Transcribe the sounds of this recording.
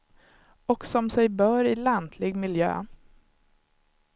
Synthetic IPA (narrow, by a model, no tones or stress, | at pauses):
ɔksɔmsɛjbœːɾɪland̪ʰlɪɡmɪljø̰ː